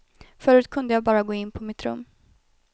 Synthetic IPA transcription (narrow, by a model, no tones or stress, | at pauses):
fœːɾʉ̟ːt̪̚kʰɵnd̪əjɑːbɑːɾaɡoːɪnːpʰɔmɪt̪ɾɵ̰mː